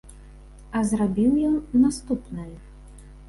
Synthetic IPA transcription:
ɐzrabʲiwjɔnːast̪upnɐj

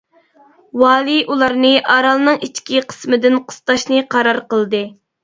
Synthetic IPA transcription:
wɑːlˠiʔulˠɑɾnɨʔɑɾɑlˠnɨŋit͡ʃːkʲiqʰə̥smɨd̪ɪnqʰə̥st̪ɑʃnɨqʰɑɾɑɾqəlˠd̪ɨ

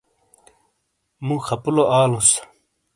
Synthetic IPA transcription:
mũːxɐpuloʔaːlus

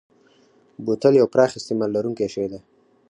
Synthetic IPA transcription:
but̪əljawpɾɑxɪst̪imɑlːaɾuŋkeʃəwd̪a

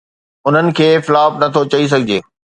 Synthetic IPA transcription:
ʊn̤ənɪ̆kʰeːfɪlaːbnɐt̪ʰot͡ɕɐis̬ɐɡʱɪd͡ʑeː

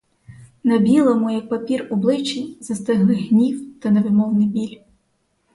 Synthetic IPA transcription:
nɐbʲilˠɐmujɐk̚pɐpʲirɔblˠɪt͡ʃijzɐst̪ɪɦlˠɪɦnʲiwt̪ɐnɛʋɪmɔwnɪjbʲilʲ

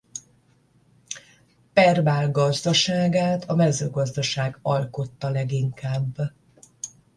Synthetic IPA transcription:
pɛrbaːlɡɒzd̪ɒʃaːɡaːt̪ʰɒmɛzøːɡɒzd̪ɒʃaːɡɒlko̞t̪ːɒlɛɡiŋkaːbː

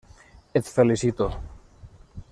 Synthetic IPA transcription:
et̪felisit̪o

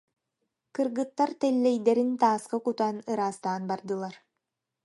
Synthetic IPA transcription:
kɯɾɡɯt̪ːaɾt̪ɛlʲːɛjd̪ɛɾint̪aːsqakut̪anɯɾaːst̪aːnbaɾd̪ɯlˠaɾ

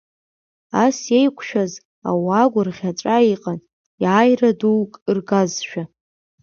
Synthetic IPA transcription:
asjejkʷʰʼʃᶣaz | a̰waɡʷʊrʁʲaʈ͡ʂʼaiqʼan | jaːjraduwkʼrɡazʃᶣa

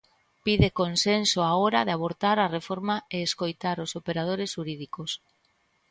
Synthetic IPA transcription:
piðekonsensoaoɾaðeaβoɾt̪aɾarefoɾmaeːskojt̪aɾosopeɾað̞oɾesʃuɾiðikos

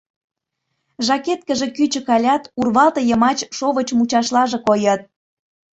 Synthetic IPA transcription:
ʒɑket̪kə̆ʒekyt͡ɕə̆kɑlʲɑt̪urβɑlt̪ɤ̆jəmɑt͡ɕʃoβət͡ɕmut͡ɕɑʃlɑʒĕkojɤ̆t̪̚

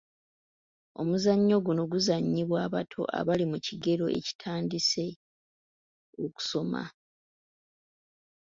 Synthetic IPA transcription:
o̞̰muzaɲːo̞ɡuno̞ɡuzaɲːiβwaːβatʰo̞̰ʔa̰βalimuciɡe̞ɾo̞ʔe̞̰ci̥tʰaːndise̞ | oku̥so̞ma̰

